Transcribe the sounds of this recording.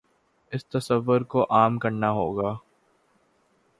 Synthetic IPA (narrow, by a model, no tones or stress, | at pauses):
ɪst̪ɐsəʋːʊɾkoʔaːmkɐɾnaɦoːɡaː